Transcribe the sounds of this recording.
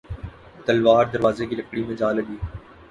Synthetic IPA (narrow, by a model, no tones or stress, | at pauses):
t̪əlʋaːɾd̪əɾʋaːzekiləkɽimẽːd͡ʒaːləɡiː